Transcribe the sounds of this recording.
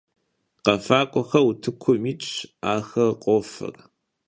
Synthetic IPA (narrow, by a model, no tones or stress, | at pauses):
qɐfaːkʷʼɔxɐwutʰɨkʷʰʊmiːt͡ʃʼaːxɐqʷʼɔːfɨ̰r